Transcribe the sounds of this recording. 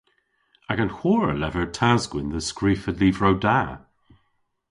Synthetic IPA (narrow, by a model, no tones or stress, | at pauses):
aɡənhwɔːɹə̰lɛvəɹtʰazɡwɪnðəskɹiːfədliːvɹowda